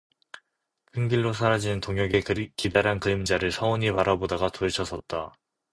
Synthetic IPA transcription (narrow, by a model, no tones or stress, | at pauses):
kʰɯŋɡiɭːosʰaɾad͡ʑinɯntoŋjʌɡekidaɾɦankɯɾimd͡ʑaɾɯɭsʰʌoɲipaɾabodaɡatoet͡ɕʰʌs͈ʰʌt̚t͈a